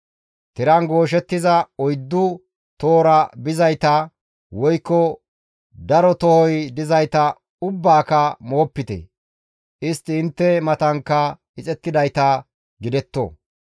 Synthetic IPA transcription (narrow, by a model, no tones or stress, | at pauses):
t̪ɪɾɐnɡo̞ːʃ̬ɛt̪ːɪzɐɔjd̪ːʊ | t̪oːɾɐbɪzɐjt̪ɐ | wɔjkːɔ | d̪ɐɾɔt̪ɔhɔjd̪ɪzɐjt̪ɐ | ʊbːaːkɐmoːpːɪt̪ɛ̰ | ʔɪst̪ːɪːnt̪ːɛmɐt̪ɐŋkːɐ | ɪt͡sʼɛt̪ːɪd̪ɐjt̪ɐ | ɡɪd̪ɛt̪ːo̰ː